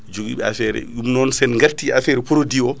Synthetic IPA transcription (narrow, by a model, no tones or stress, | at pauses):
d͡ʒoɡḭːɓɛa̰fɛɾɛ̰jumnɔnsɛnŋɡaɾtiafɛɾɛpɔɾodiɔ